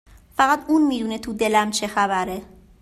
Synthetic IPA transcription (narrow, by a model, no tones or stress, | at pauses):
fæɣæt̪uːnmiːd̪uːnet̪ʰuːd̪e̞læmt͡ʃʰe̞xæbæɾe